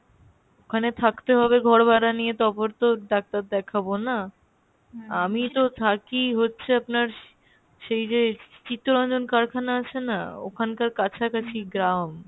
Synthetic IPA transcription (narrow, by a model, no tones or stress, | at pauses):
okʰanet̪ʰakt̪eɦɔbeɡʱɔɾbaɾanijet̪ɔpoɾt̪oɖak̚t̪aɾd̪ɛkʰabona | amit̪ot̪ʰakiɦotːɕʰeapnaɾ | ʃejd͡ʑet͡ɕit̪ːɾoɾɔnd͡ʑonkaɾkʰanaat͡ɕʰena̰o̰kʰankaɾkat͡ɕʰakat͡ɕʰiɡɾam